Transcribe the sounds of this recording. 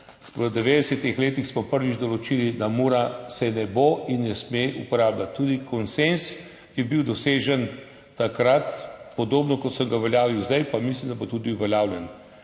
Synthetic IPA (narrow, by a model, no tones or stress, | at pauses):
ʋəd̪ɛʋeːd̪ɛsɛt̪ixleːt̪ixsmɔpəɾʋid͡ʒd̪ɔlɔt͡ʃilid̪amoːɾasɛnɛboinːɛsmeʔupɔɾaːblat̪ːuːd̪ikʰɔnsens | jɛbiwd̪ɔseːʒən | t̪akɾat̪pɔd̪oːbnɔkɔt̪səmɡaʋɛljaːʋiwzd̪ajpamis̬limd̪abot̪uːd̪iuʋɛljaːwlʲjɛn